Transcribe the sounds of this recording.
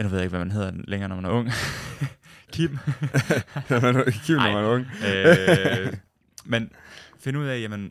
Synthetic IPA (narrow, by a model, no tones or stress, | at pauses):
ænuʋe̝ð̰ˠeɡ̥ʋæmænɦe̝ð̞̰ˠɐdeleŋɐːnɒmænɐɔ̽ŋ̰ | kʰim̰ | mænkʰibnɒmænɐɔŋ̰ | menfe̝nəuð̞̰ˠɛjæmən